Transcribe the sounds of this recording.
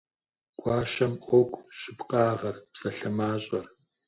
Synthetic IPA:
ɡ̥ʷʼɑːʃɐmqʷʼɔkʷʼʃɪpqɑːʁɐrpsɐɬɐmaːɕʼɐr

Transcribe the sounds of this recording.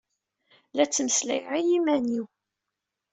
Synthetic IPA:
læt͡sːməslæ̰jʁijimæniw

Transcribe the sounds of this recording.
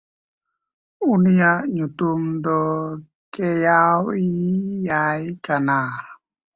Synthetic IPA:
unijaɲut̪umdɔ | kejawijajkana

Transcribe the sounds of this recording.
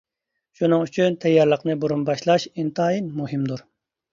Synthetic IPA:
ʃunɨŋyt͡ʃʰynt̪ʰɛjːɑɾlˠəqnɨbuɾunbɑʃlˠɑʃint̪ʰɑːjinmuhɪmd̪uɾ

